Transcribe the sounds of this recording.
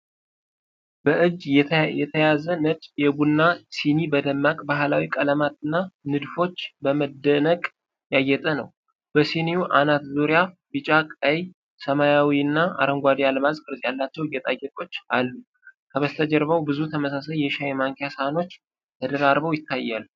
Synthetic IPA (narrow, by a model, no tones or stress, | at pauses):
b̥əʔɨd͡ʒːjɛt̪ʰəjazənət͡ʃʼjɛɡunːasinibəd̪əmːakʼbaɦlawikʼələmat̪ɨnːanɨd̪fo̞t͡ʃːbəməd̪ːənəkʼ | jajːɛt̪ʼənə̰w | b̥əsinijuʔanat̪zoɾja | bɨt͡ʃʼakʼəj | səmajawiɨnːaa̰ɾəŋɡʷad̪ijaləmazkʼɨɾzʼjalːat͡ʃːɛwjːɛt̪ʼajːɛkʼo̞t͡ʃːalːu | kʰəβəst̪ʰəd͡ʒəɾβəwbɨzut̪ʰəməs̬asəjjɛʃajmaŋkʰjashano̞t͡ʃː | t̪ʰəd̪əɾaɾbəwjɪt̪ʰːajːalː